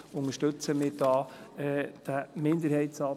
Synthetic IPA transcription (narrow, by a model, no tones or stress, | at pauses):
ʊŋəʃtɵt͡səmɪːdɑːɛːd̥əmɪnd̪əɾhɛɪtsɑː